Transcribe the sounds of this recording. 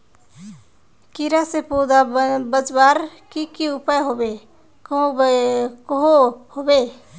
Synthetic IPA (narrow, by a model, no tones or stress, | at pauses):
kiɾasepod̪abəd͡ʒbaːɾkikiʊpajɦobe | k | kɦohobe